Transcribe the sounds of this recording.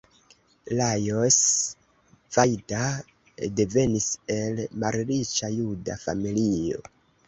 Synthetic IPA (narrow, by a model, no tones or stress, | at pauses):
lajos | v̥ajda | de̞ve̞nise̞lmalɾit͡ʃajuda̰fa̰milio̞̰